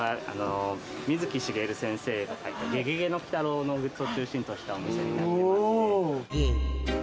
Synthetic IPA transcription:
aa̰no | mʲizɨkʲiɕiɡe̞ɾɯ̟sẽ̞ɰ̃se̞ːaiɡe̞ɡeɡe̞no̞kʲi̥t̪aɾo̞ːnoɡɯ̟ot͡ɕɨːɕĩnt̪oɕi̥t̪aomiɕemia

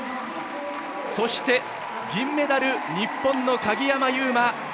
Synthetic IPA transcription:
so̞ɕi̥t̪e̞ | ɡʲĩmːe̞d̪aɾɯ̟ɲ̟ipːõ̞nːo̞kaɡʲijamajɯːma

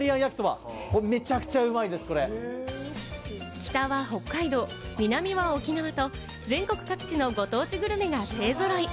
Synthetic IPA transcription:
ɾʲiãɰ̃jakɯ̥soβa̰ | kome̞t͡ɕakɯ̥t͡ɕaɯ̟maid̪e̞sɨ̥ko̞ɾe | kʲi̥t̪aβaɦo̞kːaid̪o̞ːmʲinamʲiβaokʲinaβat̪o̞ | d͡zẽ̞ŋko̞kɯ̟̥kakɯ̟̥t͡ɕino̞ɡo̞t̪o̞ːt͡ɕiɡɯ̟ɾɯ̟meɡase̞ːzoɾai

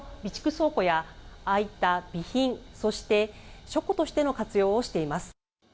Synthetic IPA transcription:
bʲit͡ɕi̥kɯ̟so̞ːko̞jaːit̪ab̥ʲiçĩɴ̃so̞ɕi̥t̪e̞ɕo̞kot̪o̞ɕi̥t̪e̞no̞kat͡sɨjo̞ːɕi̥t̪e̞imasɨ̥

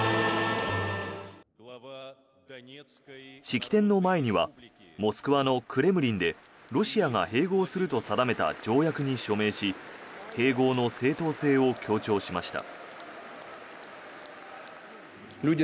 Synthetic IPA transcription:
ɕikʲi̥t̪ẽ̞nːo̞mae̞ɲ̟iβa̰mo̞sɨ̥kɯ̟βano̞kʰɯ̟ɾe̞mɯ̟ɾʲĩnd̪e̞ | ɾo̞ɕiaɡa̰he̞ːɡo̞ːsɨɾɯ̟t̪o̞sad̪ame̞t̪a̰d͡ʑo̞ːjakɯ̟ɲ̟iɕo̞me̞ːɕihe̞ːɡo̞ːno̞se̞ːt̪o̞ːse̞ːo̞kʲʰo̞ːt͡ɕo̞ːɕimaɕi̥t̪a̰

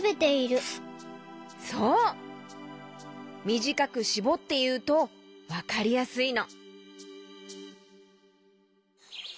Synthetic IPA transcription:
be̞t̪e̞iɾɯ̟ | soː | mʲiʑikakɯ̟ɕibo̞t̪ːe̞jɯ̟ːt̪o̞βakaɾʲijasɨino̞

